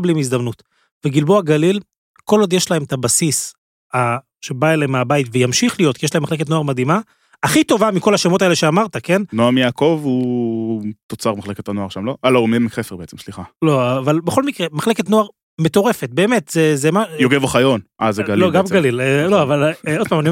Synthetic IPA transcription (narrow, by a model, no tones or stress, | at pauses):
blimizd̪amnut | veɡilboaɡalil | ko̞lod̪jeʃlaemt̪abasis | a | ʃe̞baeleemeabaitvejamʃiχlijo̞t̪kijeʃlaemːaχle̞ketnoaʁmad̪ima | aχit̪o̞vamiko̞laʃemo̞taeleʃeamaʁt̪ake̞nnoaʁmijaːko̞vu | t̪ot͡saʁmaχle̞ketanoaʁʃamlo̞ʔalaumemiχefeʁbeet͡semʃliχalo̞avalbeχo̞lmikʁemaχle̞ketno̞aʁ | met̪o̞ʁe̞fet̪̚be̞ːmet̪zezemajoɡevoχajonʔazeɡalloɡamɡalilloavalod̪pamani